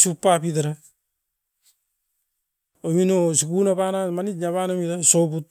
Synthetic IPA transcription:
supːapitaɾa | ominosikunapanamanit̚ɲaβanamitasobut̚

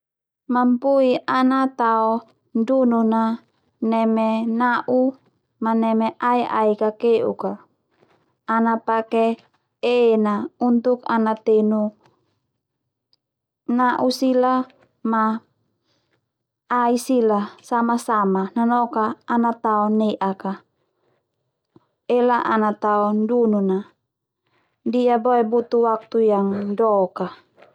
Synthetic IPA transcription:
mampuianat̪aɔ | ndununa | nɛmɛnaʔu | manɛmɛʔaiʔa̰ikakeʔṵka | napake | enaunt̪ukanat̪enu | naʔusila | ma | isilasamasamananɔkaːnat̪aɔneʔaka | elaʔa̰nat̪aɔndununa | diaboɛbut̪uwak̚t̪ujaŋdɔka

